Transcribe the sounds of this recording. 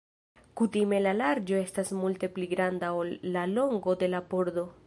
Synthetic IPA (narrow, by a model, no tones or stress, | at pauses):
kutime̞lalaɾd͡ʒo̞e̞stasmulte̞pliɡɾandao̞lːalo̞ŋɡo̞de̞lapo̞ɾdo̞